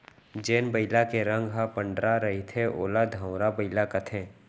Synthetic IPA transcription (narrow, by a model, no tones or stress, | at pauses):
d͡ʒeːnbəɪlakeɾə̃ŋɡɦapə̃ɳɖɾaɾɐɦit̪ʰeʔo̰ːlad̪ʱə̃wɾabəɪlakɐt̪ʰẽː